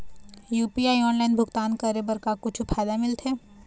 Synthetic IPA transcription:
juːpiaːiɔːnlaːɪnbʱʊɡt̪aːnkəɾebəɾkakʊt͡ʃʰupʰaːjd̪amɪlt̪ʰɦɛː

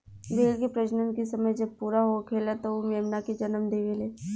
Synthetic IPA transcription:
beːlkepɾɐd͡ʒnə̃nkisɐməjd͡ʒɐb̚puːɾaɦokʰeːlat̪oomeːmnaked͡ʒɐnəmd̪eːʋeːleː

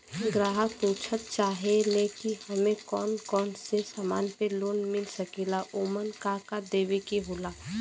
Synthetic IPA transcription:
ɡɾaːɦəpuːt͡ʃʰət̪̚t͡ʃaːɦeleːkihɐmẽkɔːnkɔːnsesaːmaːnpeloːnmɪlsəkelaʔoːmənkakad̪eːʋikiɦoːlaː

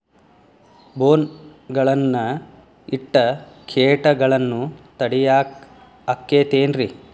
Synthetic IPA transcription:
boːnɡɐɭɐnːɐ | iʈːɐkʰeːʈɐɡɐɭɐnːut̪ɐɽijaː | akːeːt̪eːnɾi

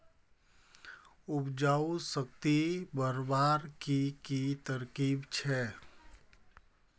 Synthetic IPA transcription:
ʊpd͡ʒaːusəkt̪ibəɾbaːɾkikit̪əɾkiːbt͡ʃʰɛ

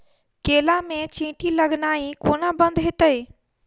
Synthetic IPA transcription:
keːlamẽt͡ɕĩːʈʰilɐɡnaːikoːnabə̃nd̪ɦɪt̪əe

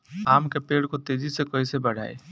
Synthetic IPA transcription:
aːmkepeɽkot̪ed͡ʒisekəisebəɽ̤a̰ːe

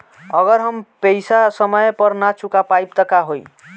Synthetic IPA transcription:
ʌɡʌɾɦʌmpejsasʌmʌjpʌrnat͡sukapajp̚t̪ʌkaɦoj

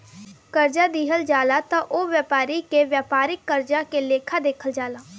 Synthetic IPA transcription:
kəɾd͡ʒaːd̪iːɦəld͡ʒaːlaːt̪ãːʔoːʋjaːpaːɾiːkeʋjaːpaːɾɪkːəɾd͡ʒakeleːkʰaːd̪eːkʰəld͡ʒaːlaː

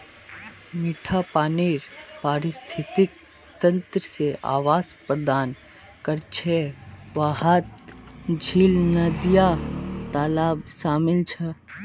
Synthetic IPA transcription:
miʈʰapaːniːɾpaːɾɪst̪ʰɪt̪ɪk̚ | t̪ə̃nt̪ɾəseʔa̰ːʋaːspɾəd̪aːn | kəɾt͡ʃʰeʋaːɦaːt̪d͡ʒʱiːlnəd̪jat̪aːlaːbʃaːmɪlt͡ʃʰɛ

